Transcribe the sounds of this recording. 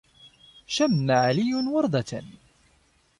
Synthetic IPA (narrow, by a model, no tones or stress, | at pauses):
ʃamːaʕalɪjːʊnwɑɾˤd̪ˤɑt̪a̰n